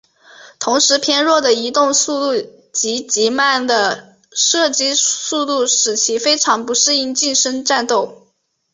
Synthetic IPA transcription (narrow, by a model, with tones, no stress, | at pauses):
t̪ʰʊ˧˥ŋʂɻ̩˧˥pʰjɛ˥nɻwɔ˥˩d̪ə˩i˧˥t̪ʊ˥˧ŋsu˥˧t̪u˥˩ | t͡ɕi˧˥t͡ɕi˧˥ma˥˩nd̪ə˩ | ʂɤ˥˩t͡ɕi˥su˥˧t̪u˥˩ʂɻ̩˨˩t͡ɕʰi˧˥fe˥ɪʈ͡ʂʰɑ˧˥ŋpu˧˥ʂɻ̩˥˧i˥˧nt͡ɕi˥˩nʂə˥ŋʈ͡ʂa˥˧nt̪o˥˩ʊ